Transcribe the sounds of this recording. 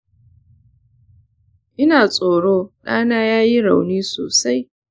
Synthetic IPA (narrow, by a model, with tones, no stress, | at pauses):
ʔɪ˦naː˨t͡sʼoː˨ɽoː˦ɗaː˦naː˦jaː˦ji˦ɽa̰˨wniː˦so̰ː˨sa˦j